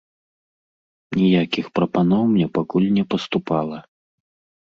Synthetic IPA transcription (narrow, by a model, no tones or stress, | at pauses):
nʲijakʲixpɾɐpanɔwmnʲɛpakulʲnʲɛpɐst̪upalˠɐ